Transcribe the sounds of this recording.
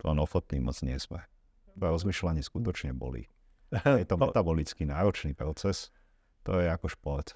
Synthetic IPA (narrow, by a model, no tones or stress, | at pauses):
t̪ɔlɛnɔxɔt̪niːmɔt͡sɲɪɛsmɛ̰ | t̪ɔɾɔzmiːʃlaɲɪiskut̪ɔt͡ʃɲɛbɔ̰lḭ | jɛt̪ɔmɛt̪abɔlit͡skinaːɾɔt͡ʃniːpɾɔt͡sɛs | t̪ɔjɛakɔʃpɔɾt̪